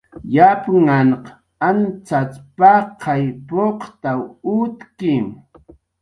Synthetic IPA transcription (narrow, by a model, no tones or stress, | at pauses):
japŋanq | ant͡sat͡spaqʰɑjpoqt̪awʊt̪kɪŋ